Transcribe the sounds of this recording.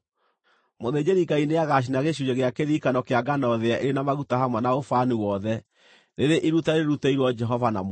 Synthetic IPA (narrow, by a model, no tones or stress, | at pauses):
moðed͡ʑeɾiɡaineaɣaɕ̬inaɣeʃ̬ud͡ʒeɣeakeðikanɔkeaɡanɔðeaʔeɾenamaɣutahamwɛnaofaniwɔðɛ | ɾeɾeʔiɾutaeɾeɾutaiɾwɔd͡ʒɛɦɔvana̰m